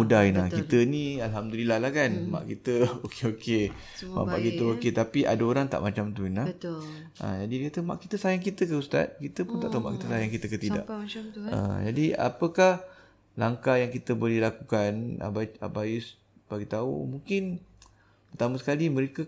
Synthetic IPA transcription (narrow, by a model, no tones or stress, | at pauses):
udainakkit̪ənĩalɦamdulilahlahkanma̰ʔkit̪əokeoke | ma̰ʔpa̰ʔkit̪əoket̪apiʔa̰daoɾaŋt̪a̰ʔmat͡ʃamt̪uina | ʔə̰̃d͡ʒadidəkat̪əma̰ʔkit̪əsajaŋkit̪əkəust̪a̰t̪̚kit̪əpʊnt̪a̰ʔt̪aumaʔkit̪əsajaŋkit̪əkət̪ida̰ʔə̰d͡ʒadia̰pəkah | laŋkajaŋkit̪əbolihlakukana̰baa̰bais | b̥aɡit̪aṵmũŋkɪn | pət̪aməsə̥kalimə̃ɾekə